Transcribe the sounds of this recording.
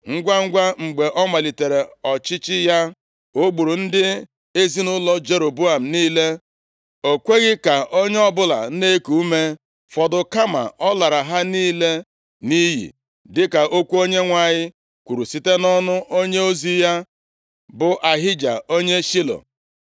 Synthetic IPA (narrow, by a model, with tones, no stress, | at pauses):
ŋ̩˦ɡʷa˦ŋ̩˦ɡʷa˦ŋ͡m̩˨ɡ͡be˨ʔɔ˦ma˨li˨te˨ɾe˨ɔ˨t͡ʃɪ˦t͡ʃɪ˦ja˦ | o˦ɡ͡bu˨ɾu˨n̩˦dɪ˦ | e˦zi˦nʊ˦lɔ˦d͡ʒe˨ɾo˨bu˦a˨m̩˨niː˦le˦ | o˨kʷe˦ɣɪ˦ka˨ʔo˦ɲe˦ɔ˦bʊ˦la̰˨˦ne˦ku˨u˦me˦ | fɔ˨dʊ˨ka˦ma̰˨ʔɔ˦la˨ɾa˨ɦa˦niː˦le˦ | ni˦ɦḭ˨ | dɪ˦ka˨ʔo˦kʷu˦o˦ɲe˦ŋʷa˨ɲɪ˦ | kʷu˨ɾu˨si˦te˦nɔ˦nʊ˦ʔo˦ɲe˦o˦zi˦ja˦ | bʊ˨ʔa˨ɦɪ˦d͡ʒa̰˨o˦ɲe˦ʃi˦lo̰˨